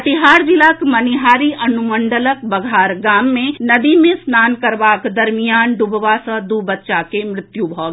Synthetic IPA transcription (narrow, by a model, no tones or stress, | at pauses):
t̪ɪɦaːɾd͡ʒɪlakmɐnɪɦaːɾiɐnʊmə̃ɳɖələk̚bɐɡʱaːɾɡaːmːẽnɐd̪imẽsnaːnkɐɾʋaːkd̪ɐɾmijaːnɖʊbʋasəd̪uːbətːʃakemɾɪt̪jubʱɔː